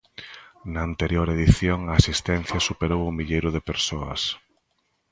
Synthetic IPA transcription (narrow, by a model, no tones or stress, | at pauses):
nɐːnt̪eɾjoɾeðiθjoŋɐasist̪ɛnθjɐsupeɾowʊmiʎejɾʊðɪpeɾsoɐ̰s